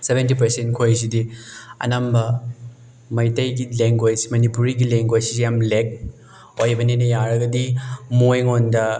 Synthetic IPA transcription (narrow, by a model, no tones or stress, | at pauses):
sebʱentipɐɾsentkʰojs̬idiɐ̰nɐmbɐ | mɐjtɐjɡileŋɡwad͡ʒsmɐnipuɾiɡileŋɡwad͡ʒsijamlek̚ | ojbɐnenɐjaɾɐɡɐdimojŋondɐ